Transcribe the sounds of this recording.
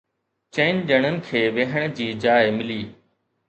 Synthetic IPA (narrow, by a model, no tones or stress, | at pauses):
t͡ɕeɪnɗəɽ̃ənɪ̆kʰeːʋeːɦəɽ̃d͡ʑiːd͡ʑaːɪmɪliː